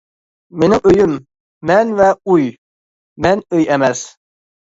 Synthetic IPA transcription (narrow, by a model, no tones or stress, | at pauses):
menɪŋøjymː | ɛnvɛuj | mɛnøjɛmɛs